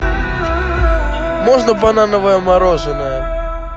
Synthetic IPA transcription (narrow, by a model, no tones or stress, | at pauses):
mɔʐnəbananəvəjəmaɾɔʐɨnəjə